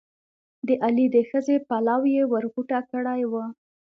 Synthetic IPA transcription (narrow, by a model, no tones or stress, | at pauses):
d̪əʔalid̪əxəzepalɑwjewəɾɣuʈakəɽajwə